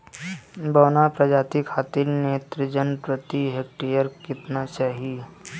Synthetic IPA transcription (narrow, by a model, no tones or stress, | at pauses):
bɐːnapɾɐd͡ʒaːt̪ikʰːaːt̪ɪɾneːt̪ɾəd͡ʒənpɾət̪iɦek̚ʈijəɾkɪt̪nat͡ʃaɦi